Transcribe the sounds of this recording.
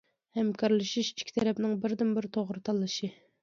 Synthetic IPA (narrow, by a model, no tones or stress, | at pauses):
hɛmkʰɑɾlˠɨʃiʃi̥t͡ʃʰkʲi̥t̪ʰɛɾɛpnɪŋbɪɾd̪ɪmbɪɾt̪ʰoʁɾɨt̪ʰɑlˠːɨʃi